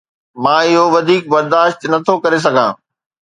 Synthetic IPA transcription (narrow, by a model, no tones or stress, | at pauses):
mãːɪɦoʋɐd̪ʱiːk̚bɐɾd̪aːʃt̪nɐt̪ʰokɐɾes̬ɐɡʱãː